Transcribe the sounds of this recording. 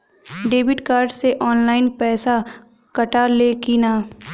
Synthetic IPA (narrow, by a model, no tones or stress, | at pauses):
ɖeːbɪʈkaːɾɖseʔɔːnlaːɪnpɛːsa | kɐʈaleːkiːnaː